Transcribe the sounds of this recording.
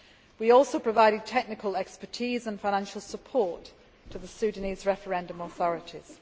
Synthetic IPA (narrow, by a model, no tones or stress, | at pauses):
wiɔˑlˠsoʊpʰɹ̥əvaɪɾɪd̚tʰɛk̚nɪkʰəlɛkspətʰiːzə̃nfãɪñãnʃəlˠsəpʰɔˑtʰ | əðəsʉːdⁿniːzɹɛfəɹɛ̃ndə̃mɔθɒɹɪtʰɪz̥